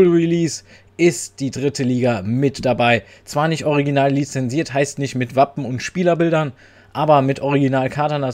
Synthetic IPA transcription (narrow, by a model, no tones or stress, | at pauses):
lʁiliːs | ʔɪstd̥iːdʁɪtʰəliːɡamɪtd̥abaɪt͡sv̥aːɐnɪçtʔɔʁiɡinaːlːit͡sɛnziːɐthaɪstnɪçtmɪtv̥apm̩ʊntʃpiːlɐbɪldɐn | ʔaːbɐmɪtʔɔʁ̞iɡinaːlkʰaɐtɐnda